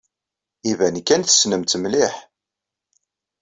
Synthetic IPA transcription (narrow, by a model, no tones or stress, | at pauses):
ivænkːænθə̥snəmt̪mlɪħ